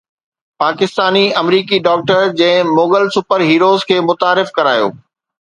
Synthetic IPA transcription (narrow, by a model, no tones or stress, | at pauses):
paːkɪst̪aːniɐmɾiːkiɖɔːk̚ʈəɾd͡ʑɐ̃ɦɪ̃moːɡəlsʊpəɾɦiːɾoːzkʰeːmʊt̪aːɾɪfkɐɾaːjo̰ː